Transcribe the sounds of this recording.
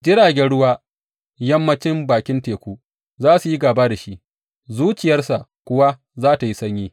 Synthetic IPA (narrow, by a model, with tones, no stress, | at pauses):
d͡ʒɪ˦ɽaː˨ɡʲɛ˦ɽʊ˦waː˦ | jɐ˦mːɐ˦t͡ʃɪ˦mbaː˨kʲɪ˦nteː˨kʷuː˦ | zaː˦su˨ji˦ɡaː˨baː˦da˨ʃi˦ | zuː˦t͡ʃɪ˨jɐ˦rsa˨kʷʊ˦wa˦ | zaː˦ta˨ji˦sɐ˦ɲjiː˦